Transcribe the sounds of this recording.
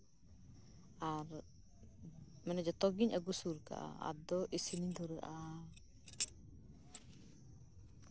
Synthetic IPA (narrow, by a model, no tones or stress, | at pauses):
ʔaɾ | mɛnad͡ʒɔt̪ɔɡiɲaɡusuɾka̰ʔa̰a̰dɔʔisinind̪ɔɾəʔa